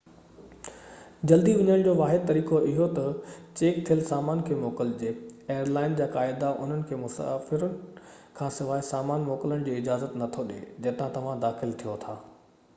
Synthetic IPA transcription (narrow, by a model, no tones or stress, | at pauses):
d͡ʑɐld̪iʋɐɲəɽ̃d͡ʑoːʋaːɦɪd̪̚t̪ɐɾiːkoʔɪɦot̪ɐt͡ɕeːk̚t̪ʰijəlsaːmaːnkʰeːmoːkəld͡ʑeːeːjəɾlaːɪnd͡ʑaːkaːɪd̪aʔʊ̰n̤ənɪ̆kʰeːmʊsa̰ːfɪɾən | kʰãːsɪʋaːisaːmaːnmoːkɪləɽ̃d͡ʑiːɪd͡ʑaːzət̪nɐt̪ʰoɗḛːd͡ʑɐːt̪ãt̪ɐʋ̤ãd̪aːxɪlt̪ʰijot̪ʰaː